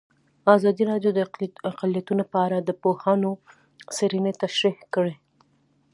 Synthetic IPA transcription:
azɑd̪iɾɑɖjod̪əaqalijat̪unopəaɾad̪əpohano | sɪɾinet̪aʃɾihkəɽe

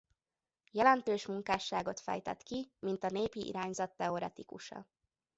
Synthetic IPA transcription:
jɛlɛnt̪øːʃmuŋkaːʃːaːɡo̞t̪fɛ̰jt̪ɛ̰t̪kimint̪ɒneːpiʔḭɾaːɲzɒt̪ːɛo̞ɾɛt̪ikṵʃɒ̰

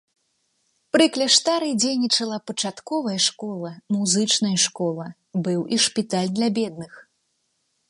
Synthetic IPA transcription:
pɾɨklʲɐʂt̪aɾɨjd͡zʲejnʲit͡ʂɐlˠɐpɐt͡ʂat̪kɔvɐjɐʂkɔlˠɐmuzɨt͡ʂnɐjɐʂkɔlˠɐ | bɨwiʂpʲit̪alʲd̪lʲabʲɛd̪nɨx

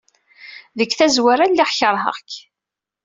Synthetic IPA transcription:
ðəkːθæzwæɾælːiχçəɾˤɦə̰ʁk

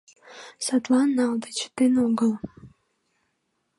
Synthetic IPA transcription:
sɑt̪lˠɑnːɑld̪ət͡ɕə̥t̪enoɡəlˠ

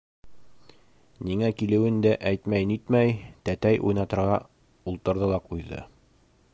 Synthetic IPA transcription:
niŋækilɘ̆wɘnd̪æʔæjt̪mæjnit̪mæjt̪æt̪æjʔṵjnɑt̪ɤ̆ɾʁɑ | ulˠt̪ɤ̆ɾðɤlˠɑqujðɤ̰

